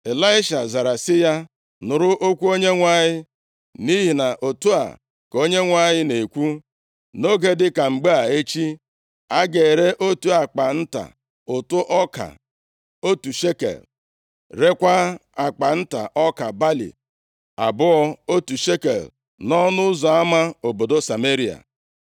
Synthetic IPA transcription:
e˨la˦ɪ˦ʃa˨za˨ɾa˨sɪ˦ja˦ | nʊ˨ɾʊ˦ʔo˦kʷu˦o˦ɲe˦ŋʷa˦˨ɲɪ˦ | ni˦ɦi˨na˨ʔo˨tu˦a̰˨ | ko˦ɲe˦ŋʷa˦ɲɪ˦ne˨kʷu˦ | no˦ɡe˦dɪ˦ka˨ŋ͡m̩˨ɡ͡be˦a˨e˦t͡ʃi˦ | a˦ɡe˨ɾe˦ʔo˦tu˦a˨k͡pa˨n̩˦ta̰˨ | ʊ˨tʊ˦ʔɔ˦ka̰˨ | o˦tu˨ʃe˦kḛ˨l | ɾe˦kʷa˦a˨k͡pa˨n̩˦ta̰˨ʔɔ˦ka˨ba˦lḭ˨ | a̰˨bʊ˦ɔ˦o˦tu˨ʃe˦kḛ˨l | nɔ˦nʊ˦zɔ˨a˦ma˦o˨bo˨do˦sa˨me˦ɾi˦˨a̰˨

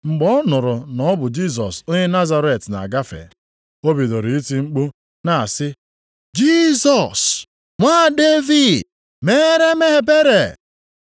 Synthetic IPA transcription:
ŋ͡m̩˨ɡ͡bɔ˦nʊ˨ɾʊ˨nɔ˨˦bʊ˨d͡ʒi˦s̬ɔ˨so˦ɲe˦na˦za˦ɾe˦˨tna̰˨ɡa˦fḛ˨ | o˦bi˨do˨ɾi˨i˦ti˦ŋ͡m̩˦k͡pu˦ | na˨sɪ˦ | d͡ʒi˦sɔ˨s | ŋʷa˦˨de˦vi˨d | me˦ɾe˦me˦ɦe˨be˦ɾe˨

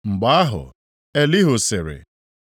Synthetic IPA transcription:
ŋ͡m̩˨ɡ͡ba˦a˦ɦʊ̰˨ | e˦li˦ɦʊ˨sɪ˨ɾɪ̰˨

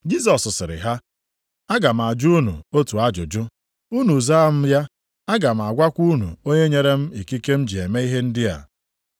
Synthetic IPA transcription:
d͡ʒi˦s̬ɔ˨ssɪ˨ɾɪ̰˨ɦa˦ | a˦ɡa˨m̩˨a˨d͡ʒu˦u˦nṵ˨o˦tu˨a˦d͡ʒʊ̰˨d͡ʒʊ˦ | u˦nu˨za˦a˦m̩˦ja˦ | a˦ɡa˨m̩˨a˨ɡʷa˦kʷu˦nṵ˨o˦ɲe˦ɲe˦ɾe˦m̩˦i˨ki˦ke˦m̩˦d͡ʒi˨e˨me˦i˦ɦe˦n̩˦dɪ˦a̰˨

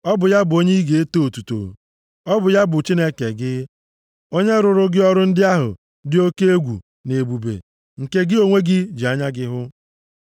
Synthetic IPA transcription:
ɔ˦bʊ˨ja˦bʊ˨o˦ɲe˦i˦ɡe˨e˦to˦o˨tu˨to̰˨ | ɔ˦bʊ˨ja˦bʊ˨t͡ʃi˦ne˦ke˨ɡɪ˦ | o˦ɲe˦ɾʊ˨ɾʊ˦ɡɪ˦ɔ˦ɾʊ˦n̩˦dɪ˦a˦ɦʊ̰˨ | dɪ˦o˦ke˦e˦ɡʷṵ˨ | ne˨bu˨bḛ˨ | ŋ̩˨ke˦ɡɪ˦o˦ŋʷe˦ɡɪ˦d͡ʒi˨a˦ɲa˦ɡɪ˦ɦʊ˦

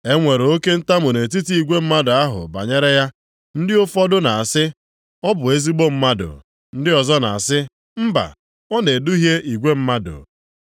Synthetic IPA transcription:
e˦ŋʷe˨ɾo˦ke˦n̩˦ta˦mʊ˨ne˨t̬i˦ti˦i˨ɡʷe˦m̩˦ma˦dʊ˨a˦ɦʊ̰˨ba̰˨ɲe˦ɾe˦ja˦ | n̩˦dɪ˦ʊ˦fɔ˦dʊ˦na˨a˨sɪ˦ | ɔ˦bʊ˨e˦zi˦ɡ͡bo˦m̩˦ma˦dʊ̰˨ | n̩˦dɪ˦ɔ˨zɔ˦na̰˨a˨sɪ˦ | m̩˦ba̰˨ | ɔ˦ne˨dʊ˦ɦje˦ʔi˨ɡʷe˦m̩˦ma˦dʊ̰˨

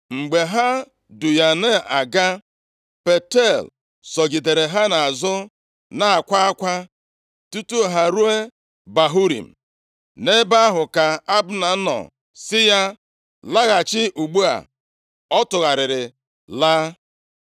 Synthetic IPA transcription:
ŋ͡m̩˨ɡ͡be˨ɦa˦ | du˨ja˨ne˦a˨ɡa˦ | pe˨te˦˨l | sɔ˨ɡi˨de˨ɾe˨ɦa˦na˨a˨zʊ˦ | na˨a˨kʷa˦a˦kʷa˦ | tu˦tu˦˨ɦa˨ɾu˦e˦ | ba˨ɦu˦ɾḭ˨m̩˨ | ne˦ba˦ɦʊ˨ka˨a˦bna˨˦nɔ̰˨ | sɪ˦ja˦ | la˦ɣa˨t͡ʃɪ˦ʔu˨ɡ͡bu˦a̰˨ | ɔ˦tʊ˨ɣa˨ɾɪ˨ɾɪ˨ | laː˦

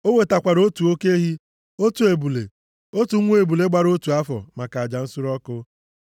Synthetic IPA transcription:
o˦we˨ta˨kʷa˨ɾo˦tu˨o˦ke˦ɦi˦ | o˦tu˨e˨bu˨lḛ˨ | o˦tu˨˦ŋʷu˦e˨bu˨le˦ɡ͡ba˨ɾo˦tu˨a˦fɔ̰˨ma˨ka˨a˨d͡ʒa˨n̩˦sʊ˦ɾɔ˦kʊ˦

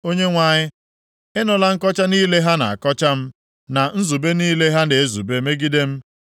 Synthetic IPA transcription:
o˦ɲe˦ŋʷa˨ɲɪ˦ | ɪ˦nɔ˨la˦ŋ̩˦kɔ˦t͡ʃa˦niː˦le˦ɦa˦na̰˨a˨kɔ˦t͡ʃa˦m̩˦ | na˨n̩˦zu˨be˦niː˦le˦ɦa˦ne˨e˦zṵ˨be˦me˦ɡi˦de˦m̩˦

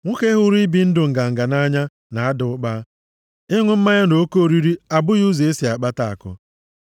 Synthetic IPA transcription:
ŋʷʊ˦ke˦ɦʊ˦ɾi˦bi˦n̩˦dʊ˨ŋ̩˨ɡa˨ŋ̩˨ɡa˨na˦ɲa˦ | na˨a˦dʊ˨ʊ˦k͡pa˦ | ɪ˦ŋʷʊ˦m̩˦ma˦ɲa˦no˨o˦ko˦o˦˨ɾi˦ɾi˦a˨bʊ˦ɣu˦ze˨e˦si˨a˨k͡pa˦ta˦˨a̰˨kʊ̰˦

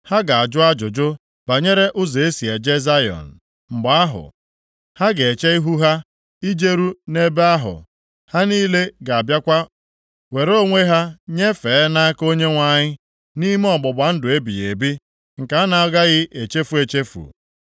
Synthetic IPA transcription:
ha˦ɡa˨a˨d͡ʒʊ˦a˦d͡ʒʊ˨d͡ʒʊ˦ | b̥a˨ɲe˦ɾe˦ʔʊ˦ze˨e˦si˨e˨d͡ʒe˦za˦jɔ̰˨n̩˨ | m̩˨ɡ͡ba˨a˦ɦʊ̰˨ | ha˦ɡe˨e˨t͡ʃe˦i˦ɦu˦ɦa˦ | i˦d͡ʒe˦ɾu˦ne˦be˦a˦ɦʊ̰˨ | ha˦niː˦le˦ɡa˨a˨bja˦kʷa˦ | we˨ɾo˦˨ŋʷe˦ɦa˦ɲe˦feː˨˦na˦ko˦ɲe˦ŋʷa˨ɲɪ˦ | ni˦m˦ɔ˨ɡ͡bʊ˨ba˨n̩˦dʊ˨e˦bḭ˨e˨bi˦ | ŋ̩˨ka˨a˦na˨˦ɡa˦ɣɪ˦ʔe˨t͡ʃe˦fu˦e˨t͡ʃe˦fṵ˨

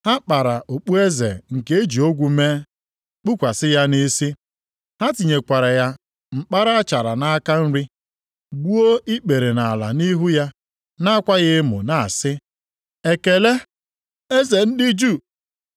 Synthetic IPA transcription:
ha˦k͡pa˨ɾa˨ʔo˨k͡pu˦e˦zḛ˨ŋ̩˨ke˦e˦d͡ʒi˨o˦ɡʷu˦me˦ | k͡pu˦kʷa˨sɪ˦ja˦ni˦si˦ | ha˦ti˨ɲe˨kʷa˨ɾa˨ja˦ | ŋ͡m̩˦k͡pa˦ɾa˦a˦t͡ʃa˨ɾa̰˨na˦ka˦n̩˦ɾi˦ | ɡ͡bu˦o˦i˦k͡pe˨ɾe˨na˨la̰˨ni˦ɦu˦ja˦ | na˦a˦kʷa˦ɣɪ˦mʊ̰˨na˨a˨sɪ˦ | e˦ke˨le˦ | e˦ze˨n̩˦dɪ˦d͡ʒu˦˨

